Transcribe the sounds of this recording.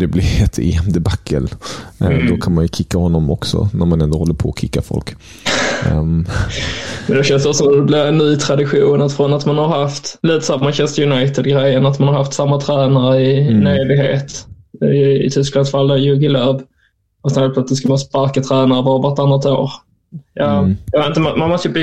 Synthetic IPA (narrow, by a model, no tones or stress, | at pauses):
d̪̥ɛblɪɾɛt̪ʰḛɛmd̪əbakʰːə̰l | d̪ɔkʰanmanjɵkʰɪkːahɔnːɔmɔksɔ̰næɾmanɛnd̪ohɔlːəɾpʰɔːkʰɪkːafɔ̰lk | mɛnd̪ɛɕɛnsɔsɔmd̪ɛblɪɾɛnːyːt̪ʰɾad̪ɪɧuːnat̪fɾɔnat̪manhaɾhaft̪liːt̪ə̥samːaɕɛnst̪əjʊnajt̪ɪd̪̚ɡɾɛjːənat̪manhaɾhaft̪samːat̪ʰɾæːnaɾəɪnøːd̪ɪɡɦeːt̪ | ɪt̪ʰʏsklansfald̪ajɵɡɪlœːb | ɔsɛnheːlpʰlœt̪slɪt̪sk̪manspaɾkat̪ʰɾæːnaɾəvɑːɾəvaɾʈ̪anːat̪o̰ːɾ | jɑːjɑvet̪n̩t̪əmamanmɔst̪əjəb